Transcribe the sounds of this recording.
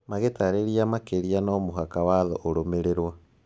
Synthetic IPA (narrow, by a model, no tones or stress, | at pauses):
maɣetaɾeɾiamakeɾianɔmoɦakawaðɔʔoɾomeɾeɾwa